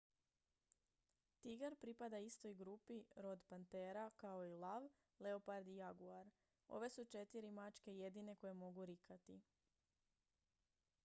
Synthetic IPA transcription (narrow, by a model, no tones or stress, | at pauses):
t̪iɡaɾpɾipad̪aist̪o̞jɡɾuːpiɾo̞d̪pant̪e̞ɾakao̞ilˠaʋ | le̞opaɾd̪iaɡuaɾ | o̞̰ʋe̞sut͡ʃe̞t̪iɾimat͡ʃke̞je̞d̪ine̞ko̞je̞mo̞ɡuɾikʰat̪i